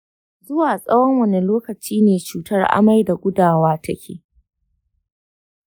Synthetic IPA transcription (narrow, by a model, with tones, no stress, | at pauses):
zʊ˦waː˨sʼɐ˦wɔ˦ŋwɐ˨ne˨loː˦kɐ˨t͡ʃiː˦neː˨t͡ʃuː˨tɐ˦rʔa̰˦ma˦jda˨ɡʷʊ˦daː˨waː˦tɐ˦kʲḛː˨